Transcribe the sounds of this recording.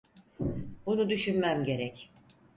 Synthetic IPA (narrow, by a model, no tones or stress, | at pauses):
bunud̪yʃynmæmɟe̞ɾɛc